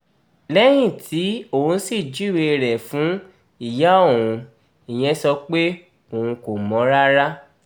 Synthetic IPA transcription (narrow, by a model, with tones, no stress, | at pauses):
lɛ˦j̃ĩ˦˨tʰi˨˦õ˦˨˧n̩˦si˦˨d͡ʒi˦˨we˧ɾɛ˨fũ˨˦ | i˦˨ja˨˦õ˦˨ũ˨˧ | i˨j̃ɛ̃˧˦sɔ˧k͡pe˦ | o˨ũ˧ko˨mɔ̃˨˦ɾa˦ɾa˦